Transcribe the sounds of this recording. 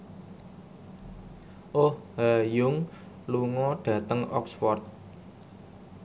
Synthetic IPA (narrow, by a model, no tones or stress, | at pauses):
ʔohhajʊŋ | luŋɔɖ̥ä̤t̪əŋɔ̰ksfɔrt̪̚